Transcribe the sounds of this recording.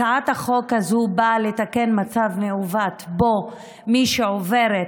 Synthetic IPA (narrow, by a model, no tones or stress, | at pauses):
aat̪haχo̞khazubaletake̞nmat͡savneuvat̪bo̞ | miʃeove̞ʁet